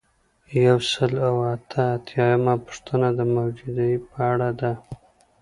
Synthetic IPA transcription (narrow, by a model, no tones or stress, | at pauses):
jawsəlawat̪ʰəːt̪ʰjɑjamapʊ̥ʂt̪ʰənad̪əmawd͡ʒud̪aipəaɽad̪a